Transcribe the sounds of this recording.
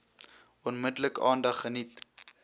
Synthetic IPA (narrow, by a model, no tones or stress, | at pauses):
ɔnmədləkɑːndɐχːənit